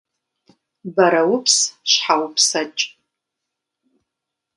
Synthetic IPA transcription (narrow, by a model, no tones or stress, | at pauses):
bɐɾɐwʊpʰsʃħawpʰsat͡ʃʼ